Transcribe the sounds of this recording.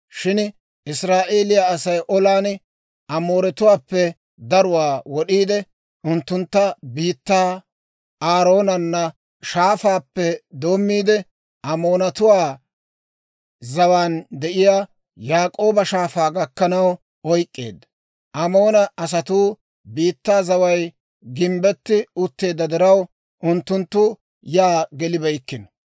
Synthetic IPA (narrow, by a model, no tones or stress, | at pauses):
ʃɪn | ʔɪsɾaːʔe̞ːlɪjaɐsɐjʔɔlaːn | ʔɐmo̞ːɾɛt̪ʊwaːpːɛ | d̪ɐɾʊwaːwɔɗiːd̪ɛ | ʊnt̪ːʊnt̪ːɐbiːt̪ːaː | aːɾo̞ːnɐnːɐ | ʃaːfaːpːɛd̪oːmːiːd̪ɛ | ʔɐmoːnɐt̪ʊwaː | zɐwaːnd̪ɛʔɪjaː | jaːkʼo̞ːbɐʃaːfaːɡɐkːɐnɐw | ɔjkʼːe̞̰ːd̪ːɐ | ʔɐmo̞ːnɐɐs̬ɐt̪uː | biːt̪ːaːzɐwɐj | ɡɪmbɛt̪ːɪʊt̪ːe̞ːd̪ːɐd̪ɪɾɐw | ʔʊnt̪ːʊnt̪ːʊ | jaːɡɛlɪbɐjkːɪn